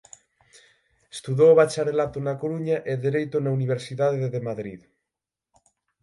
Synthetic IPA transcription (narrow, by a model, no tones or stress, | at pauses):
est̪uðowβat͡ʃaɾelat̪onakoɾuɲaʔeðeɾejt̪onauniβ̞eɾsiðaðeðeðemaðɾḭð